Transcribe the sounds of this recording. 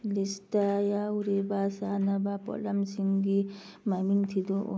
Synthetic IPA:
list̪ajauɾebasanabapɔ̰lɐmsiŋɡi | mamint̪ʰid̪oʔ

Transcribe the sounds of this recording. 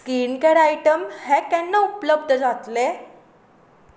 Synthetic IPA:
skiːnkɛɽajʈəmhɛkɛnːəupləbd̪ʱəd͡zat̪le

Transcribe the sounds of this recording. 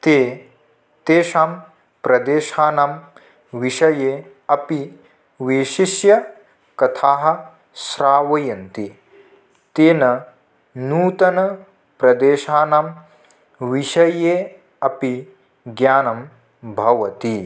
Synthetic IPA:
t̪eː | t̪eːʃaːm | pɾɐd̪eːʃaːnaːm | ʋiʃɐjeː | ɐpi | ʋiːʃiʃjɐ | kɐt̪ʰaːɦɐ̆ | sɾaːʋɐjɐnt̪i | t̪eːnɐ | nuːt̪ɐnɐ | pɾɐd̪eːʃaːnaːm | ʋiʃɐjeː | ɐpi | ɡjaːnɐm | bʱɐʋɐt̪i

